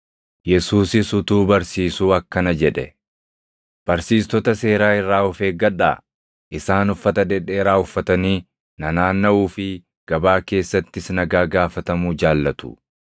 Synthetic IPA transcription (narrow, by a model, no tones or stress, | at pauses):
jɛsuːsɪsʊt̪uːbɐɾsiːsuːɐkːɐnɐd͡ʒɛᶑɛ | b̥ɐɾsiːst̪ɔt̪ɐse̞ːɾaːɪrːaːʊfe̞ːɡɐᶑa̰ː | ʔɪsaːnʊfːɐt̪ɐd̪ɛᶑeːɾaːʊfːɐt̪ɐniː | nɐnaːnːɐuːfɪ | ɡ̥ɐbaːke̞ːsːɐt̪ːɪsnɐɡaːɡaːfɐt̪ɐmuːd͡ʒaːlːɐt̪ʊ̥̰